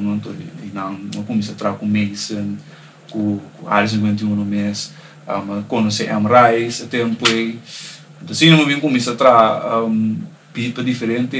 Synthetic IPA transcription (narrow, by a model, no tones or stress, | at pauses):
nõnt̪oinãŋmɐkumisɐt̪ɾakumejsən | kukua̰ɾis̬ĩŋkwẽnt̪iũnomes | a̰mɐkonoseʔɛmrajsɐt̪ẽmpuej̪ | t̪osĩnemɐvĩŋkumisɐt̪ɾam | b̥itɐd̪ifeɾẽnt̪e